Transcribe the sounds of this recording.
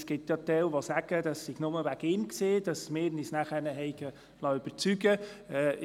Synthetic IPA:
skɪpt̪jɑt̪ɛwʋosæɡ̥ədɑsːiɡ̥nʊməʋæɡ̥ɪnksed̥ɑsmɪːɾnisnæχənəɦɛɪɡə | lɑøb̥əɾt͡syɡəɛː

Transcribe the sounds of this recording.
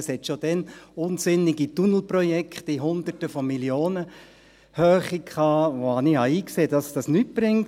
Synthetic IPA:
shɛt̪ʃod̥ɛnʊnsɪniɡitunl̩prɔjɛkχtiɦʊnd̪ətəfɔmiljoːnə | hœːχikʰχɑːʋohɑnihɑiːkseːd̥ɑsd̥ɑsnyt̚b̥ɾɪŋt

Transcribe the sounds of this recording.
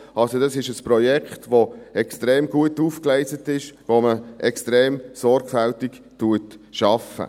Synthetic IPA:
ɑlsodɑsɪʃəspɾɔjɛkχtʋoɛkstɾeːmɡuətufklɛɪsətɪʃʋoməʔɛkstɾeːmsɔɾɡ̥fæltik | tuətʃɑfə̰

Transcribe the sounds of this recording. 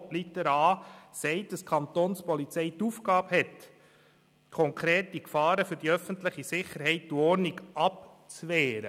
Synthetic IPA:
lit̪əɾɑːsɛɪtd̥ɑskʰɑnt̪onspɔlit͡sɛɪt̪ufɡɑːbhɛt̪ | kʰɔŋkʰɾeːtːikfɑːɾəfʏɾdiœfəntlɪχisɪχəɾɦɛɪt̚d̪ɔɾniɡʔɑp | t͡sʋɛːɾə̰

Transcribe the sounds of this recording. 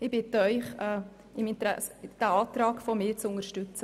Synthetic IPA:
ɪbɪtəœʏχɛ | ɪmɪnt̪ɾɛ̰sd̥æɑːt̪ɾɑːɡfɔmɪːɾt͡sʊŋəɾʃtʉt͡sə

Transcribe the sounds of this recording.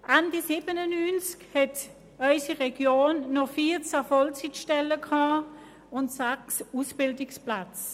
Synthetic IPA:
ʔandisiːbənənyːnt͡skhɛt | ɔʏsiʁɛɡjoːnːɔfiːt͡safɔlt͡sitʃtɛləkʰɑː | ʊntsaksusb̥ɪldɪksplat͡s

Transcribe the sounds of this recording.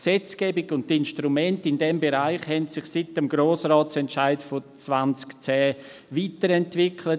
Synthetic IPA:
sɛt͡skɛːbɪkʊnttːɪnʃtɾumɛntɪndɛmbeɾaɪχhɛntsɪχsɪtəmɡɾoːsraːtt͡sɛntʃaɪtfɔt͡svant͡skt͡sɛː | viːtəɾɛntvɪkʰlə

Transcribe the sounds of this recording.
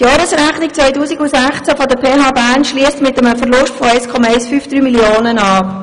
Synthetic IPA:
tjɑːɾəsɾæχnik̚t͡sʋœʏtuːsiɡusæχt͡sæfɔdəpʰeːɦɑːbæːɾnʃliːəstmɪtəməfəɾlʊʃtfɔæɪskʰɔmɑɛɪsfyːfd̥ɾyːmiljoːnənɑːp

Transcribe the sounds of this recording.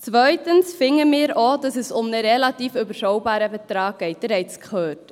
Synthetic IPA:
t͡svœʏtənsfɪŋəmɪːɾoːdɑsɛsʊmnəɾɛlatiːfybəɾʃɔʊbɑːɾəbɛtɾɑːɡ̚ɡ̥ɛɪt̚b̥əɾɛɪt͡skχøːt

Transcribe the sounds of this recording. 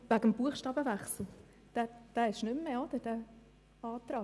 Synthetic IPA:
væɡəmb̥uəχʃtɑːbəvæχsl̩ | d̪̥æd̥æːɪʃnʏmːeːod̥̪əd̥æ | ɑːt̪ɾɑː

